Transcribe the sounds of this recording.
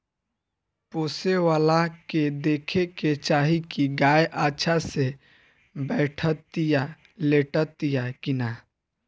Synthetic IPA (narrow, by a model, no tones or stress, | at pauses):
poːsewaːlaked̪eːkʰeket͡ʃaːɦikiɡaːjʔaːʃʰase | bɛːʈʰət̪ːija | leːʈət̪ːijakina